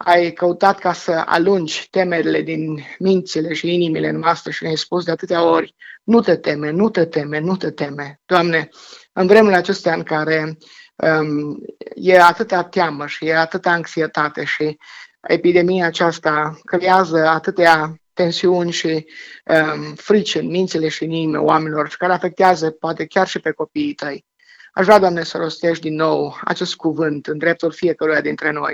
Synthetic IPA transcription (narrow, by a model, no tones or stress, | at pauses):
a̰jkəut̪at̪kasəa̰lund͡ʒʲt̪e̞me̞ɾile̞d̪inmint̪sile̞ʃiinimile̞ɨnmast̪əʃineajspus̬d̪eat̪ɨt̪eao̞rʲnut̪et̪e̞menut̪et̪e̞me̞nut̪et̪e̞me̞d̪̥oamne̞ | ɨnvɾe̞mulat͡ʃe̞st̪eaɨŋkaɾe̞ | ə | jeat̪ɨt̪at̪jaməʃijeat̪ɨt̪aːŋksiet̪at̪e̞ʃiḛpid̪e̞mijaːt͡ʃast̪akəleazəat̪ɨt̪eat̪e̞nsiunʲʃiəfɾit͡ʃɨnmint̪sile̞ʃiniimḛoame̞nilo̞rʃi̥kaɾeafe̞k̚t̪eazəpoat̪e̞kʲarʃipe̞ko̞piːt̪əj | a̰ʃvɾʲad̪oamnesəɾo̞st̪e̞ʃtd̪inːo̞wa̰t͡ʃe̞st̪̚kuvɨnt̪ɨnd̪ɾe̞p̚t̪ulfije̞kəɾujad̪int̪ɾe̞no̞̰j